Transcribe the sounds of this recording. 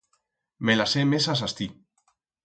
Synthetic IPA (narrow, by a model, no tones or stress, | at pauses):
melasemesas̬ast̪i